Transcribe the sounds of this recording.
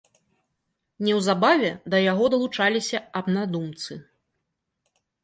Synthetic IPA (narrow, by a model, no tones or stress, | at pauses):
nʲɛwzabavʲɛd̪ɐjaɣɔd̪ɐlˠut͡ʂalʲisʲɐɐbnad̪umt̪sɨ